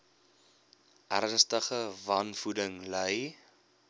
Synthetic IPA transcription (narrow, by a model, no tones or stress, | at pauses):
ʔærnstəχəvɐnfudəŋləj